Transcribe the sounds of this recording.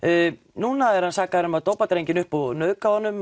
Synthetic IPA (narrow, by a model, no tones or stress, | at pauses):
nuːnaɛɾhansaːkaðɾʏmaðt̪oːwpat̪ɾejɲcɪnʏhpɔnœːðkawanːʏm